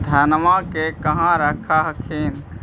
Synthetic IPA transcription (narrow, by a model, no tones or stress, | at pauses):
d̪ʱənmãkekəɦãɾəkʰaɦəkʰin